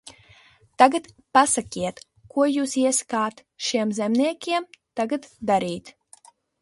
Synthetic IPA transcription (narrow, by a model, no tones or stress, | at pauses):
t̪aɡat̪ | pasakʲiɛt̪ | kuɔjuːsiɛsḁkaːt̪ | ʃiɛmzɛmniɛkʲiɛmt̪aɡat̪d̪aɾiːt̪